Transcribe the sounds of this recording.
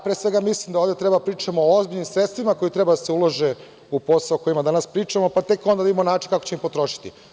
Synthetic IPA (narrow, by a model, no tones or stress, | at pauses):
pɾeːsʋe̞ɡamislimd̪aoːvd̪e̞t̪ɾe̞bapɾiːt͡ʃamoːozbiʎnimsɾet̪t̪ʋimako̞jit̪ɾebad̪aseuloʒe | upo̞saoko̞jimad̪anaspɾiːt͡ʃamo̞pat̪e̞kond̪aid̪imonaːt͡ʃinkako̥t͡ɕeimpot̪ɾo̞ʃi̥t̪ḭ